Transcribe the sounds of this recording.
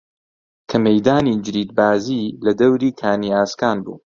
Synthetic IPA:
kʰɐmejd̪aːniːd͡ʒɨɾiːd̪̚baːziːlɐd̪ɐwɾiːkʰaːniaːskaːnbṵː

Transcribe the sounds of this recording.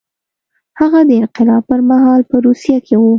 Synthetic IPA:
haɣad̪əɪnqɪlɑb̚pəɾmaɦɑlpəɾusijakʰewu

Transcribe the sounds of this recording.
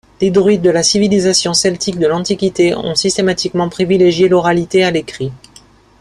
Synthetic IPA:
led̪ʁɥid̪əlasivilizasjɔ̃sɛlt̪ik̚d̪əlɑ̃t̪ikʲit̪eɔ̰̃sist̪emat̪ikmɑ̃pχivileʒjelɔʁalit̪ealekχi

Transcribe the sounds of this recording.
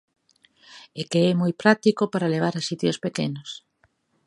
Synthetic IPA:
ekeɛmojpɾat̪ikopaɾaleβ̞aɾasit̪jospekḛnos

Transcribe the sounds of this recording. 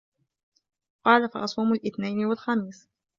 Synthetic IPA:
qɑːlafɑʔɑsˤuːmalʔɪθnajnɪwalxamiːs

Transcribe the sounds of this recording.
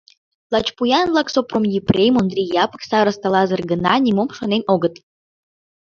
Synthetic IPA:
lɑt͡ɕpujɑnvlɑksopromjiprʲejmond̪rʲijɑpə̥ksɑɾəst̪ɑlɑzə̆rɡənɑnʲimomʃonenoɣət̪

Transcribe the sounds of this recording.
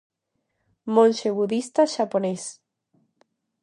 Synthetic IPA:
mõnʲʃeβuðist̪aʃapones

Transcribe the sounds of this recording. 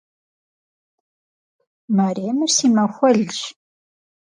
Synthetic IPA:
maɾinusiːmɐxʷɔɮʒ

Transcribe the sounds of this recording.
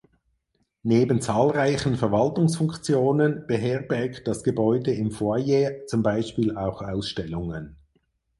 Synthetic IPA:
neːbən̩t͡saːlʁaɪçən̩fɛɐvaltʊŋsfʊŋkt͡sjoːnənb̥əɦɛɐbɛɐkt̚d̥asɡ̥əbɔʏdəɪmfoːɐjeːt͡sʊmbaɪʃpiːlaʊxaʊsʃtɛlʊŋən

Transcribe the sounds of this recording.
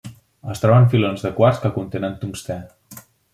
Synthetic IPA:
əst̪ɾɔβəɱfilonzðəkwaɾskəkunt̪enənt̪uŋst̪ɛn

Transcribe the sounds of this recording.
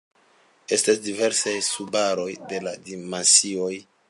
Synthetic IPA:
e̞stasdive̞ɾsajsubaɾo̞jde̞ladimansio̞j

